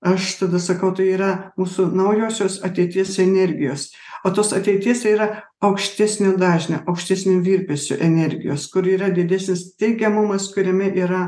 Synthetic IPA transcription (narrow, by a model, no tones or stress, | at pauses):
ɐʃt̪ɐd̪ɐsɐkɐʊt̪ɐɪiːɾɐmuːsʊnɐʊjoːsʲoːsɐt̪ʲɛɪt̪ʲiɛsɛnʲɛɾʲɡʲɪjoːs | oːt̪oːsɐt̪ʲɛɪt̪ʲiɛsiːɾɐ | ɐʊkʃʲt̪ʲæːsʲnʲod̪ɑːʒʲnʲo̰ʔɐʊkʃʲt̪ʲæːsʲnʲeʋʲiːɾʲpʲesʲʊ̰ʔɛnʲɛɾʲɡʲɪjo̰ːskʊɾiːɾɐd̪ʲɪd̪ʲæːsʲnʲɪst̪ʲɛɪɡʲɛmʊmɐskʊɾʲɛmʲɛʔiːɾɐ